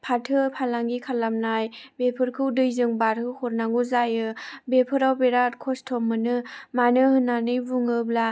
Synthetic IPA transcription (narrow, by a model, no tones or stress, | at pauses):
pʰatʰɯpʰalaŋɡikʰalamnajbepʰɯɾkʰɯwdɯjzɯŋbaɾhɯhɔɾnaŋɡuzajɯbepʰɯɾawbeɾat̚kʰɔstʰɔmːɯnɯmanɯhɯnanɯjbuŋɯbla